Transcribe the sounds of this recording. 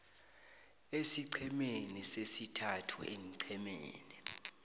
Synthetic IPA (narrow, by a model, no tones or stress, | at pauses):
esiǀʰɛmenisesitʰatʰṵḛŋǀʰɛmeːni